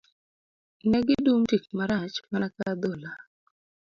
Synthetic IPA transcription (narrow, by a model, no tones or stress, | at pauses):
inɛɡɪduŋtik̚maɾat͡ʃmanakad̪ola